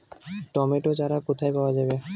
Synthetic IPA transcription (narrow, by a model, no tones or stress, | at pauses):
ʈɔmeʈod͡ʑaɾakot̪ʰajpaoad͡ʑabe